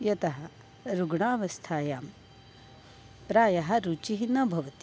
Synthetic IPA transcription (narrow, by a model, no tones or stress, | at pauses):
jɐt̪ɐɦɐ̆ | ɾuɡɳaːʋɐst̪ʰaːjaːm | pɾaːjɐɦɐ̆ɾut͡ʃiɦinɐbʱɐʋɐt̪i